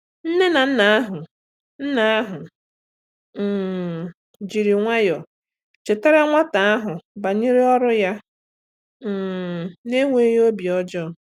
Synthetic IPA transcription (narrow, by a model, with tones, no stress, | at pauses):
n̩˦ne˦na˨n̩˦na˨˦a˦ɦʊ˨ | n̩˦na˨a˦ɦʊ˨ | d͡ʒi˨ɾi˨ŋʷa˦jɔ˨ | t͡ʃe˨te˦ɾe˦ŋʷa˦ta˨a˦ɦʊ˨ba˨ɲi˦ɾi˦ɔ˦ɾʊ˦ja˦˨ | ne˦ŋʷe˨˦jo˦bi˨ɔ˦d͡ʒɔ˦˨